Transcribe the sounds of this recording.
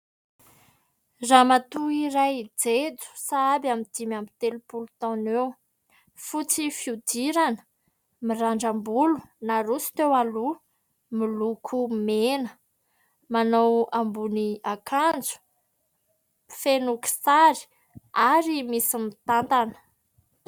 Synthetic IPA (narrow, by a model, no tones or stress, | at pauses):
zamat̪uiɾajd͡zed͡zu̥saabamid̪̥imamit̪elupulut̪ɔ̃new | fut͡sifiud̪iɾanə̥ | miraɳɖ͡ʐambulu̥naɾusi̥t̪ewalu | milukʰumenə | manowambuniakʰand͡zu̥ | fenuki̥saɾi̥ | aɾimisimit̪ant̪anə̥